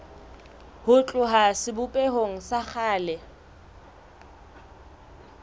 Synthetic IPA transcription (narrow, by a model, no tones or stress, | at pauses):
hʊt͡ɬʼʊɦasɪbʊpʼeɦoŋ̩sak͡xʰaːlɛ